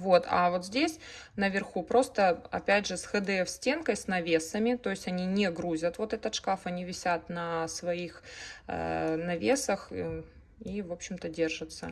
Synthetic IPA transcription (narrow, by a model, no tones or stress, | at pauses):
vo̞t̪a̰vo̞t̪zʲdʲesʲnəvʲɪrxupɾo̞st̪əɐ̰pʲædʲʐɨsxɨd̪ɛfsʲtʲe̞nkəjsnɐvʲesəmʲɪt̪o̞ɪsʲtʲɐnʲinʲeɡɾuzʲət̪vo̞t̪ɛt̪ət̪ʂkafɐnʲivʲɪsʲat̪nəsvɐixə̰nɐvʲesəx | ivo̞pɕːɪmt̪ədʲe̞rʐɨt̪sə̰